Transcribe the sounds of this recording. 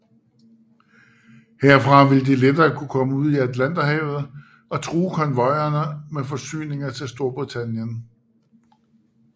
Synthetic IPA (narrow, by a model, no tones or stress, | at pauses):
heɐ̰fʁɑ̈ʋe̝ləd̥eled̥ɐːkʰukʰɒ̽məuð̰ˠiædlæn̰d̥ɐɦɛːʊð̩ˠ | ɒ̽t͡sʰʁuːkʰɒ̽nʋɒ̽ɪɐnəmefɒ̽sy̰ːne̝ŋɐt͡sʰe̝lsd̥o̝ɐb̥ʁit͡sʰænjən